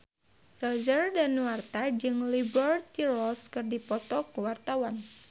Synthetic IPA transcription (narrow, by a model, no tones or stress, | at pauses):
rɔd͡ʒərdanwart̪ad͡ʒɨŋlibərt̪irɔskɨrdipɔt̪ɔkəwart̪awan